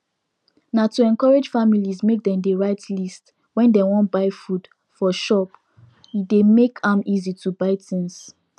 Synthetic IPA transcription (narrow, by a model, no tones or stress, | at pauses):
natuɛ̃nkɔɹed͡ʒfamilizmek̚dɛ̃mdeɹaɪtʰlist | wɛ̃ndewɔ̃ntbaɪfud̥ | fɔʃɔp | demekʰãmizitʰubaɪtĩns